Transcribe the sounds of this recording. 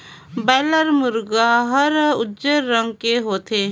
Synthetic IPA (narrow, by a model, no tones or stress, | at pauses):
bɛːləɾmʊɾɡaɦəɾʊdd͡ʒəɾːə̃ŋɡ̚keɦoːt̪ʰe